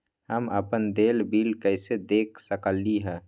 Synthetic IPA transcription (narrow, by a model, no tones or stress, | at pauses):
həməpənd̪eːlbiːlkəɪsed̪eːk̚ʰsəkəlːiɦɛ̃ː